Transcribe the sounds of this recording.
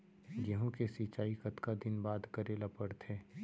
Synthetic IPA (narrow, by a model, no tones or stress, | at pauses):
ɡəɦõkesit͡ʃaːikɐt̪kad̪ɪnbaːd̪kəɾelapəɾt̪ʰẽː